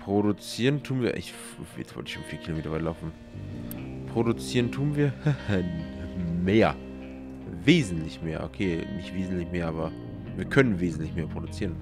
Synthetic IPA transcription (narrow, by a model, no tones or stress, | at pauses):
pʁ̥oɾut͡siːʁəntʰuːnviːɐʔɪ̰ç̰ | ɛt͡sv̥ɔ̰ltɪçʃoːnfiːɐkʰilomeːtɐvaɪlaʊfn̩ | pʁ̥odut͡siːʁəntʰuːnviːɐh | meːɐ | veːzn̩tlɪçmeːɐʔo̰kʰeːmɪçv̥eːzn̩tlɪçmeːɐʔaːbɐ | viːɐkʰœnənveːzn̩tlɪçmeːɐpʁ̥odut͡siːʁən